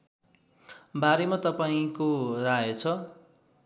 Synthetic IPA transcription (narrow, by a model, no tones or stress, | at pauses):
baɾemat̪ʌpaĩkoraet͡sʰʌ